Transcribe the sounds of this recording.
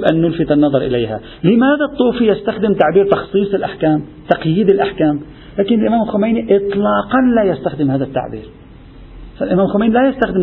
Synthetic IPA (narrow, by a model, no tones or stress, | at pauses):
bʔanːʊlfɪt̪ɑnːɑðˤɑɾˤʔɪ̰lajha̰ | lɪmaːðat̪ˤːuːfijast̪axd̪ɪmt̪aʕbiːɾt̪ɑxsˤiːsˤɪlʔaħkaːmt̪ɑqjiːd̪ɪlʔaħkaːm | laːkɪnɪlʔɪmaːmɪlxʊmajniʔɨt̪ˤlɑːqɑnlaːjast̪axd̪ɪmhaːðat̪ːa̰ʕbḭːɾ | falʔɪmaːmlxʊmajnilajast̪axd̪ɪm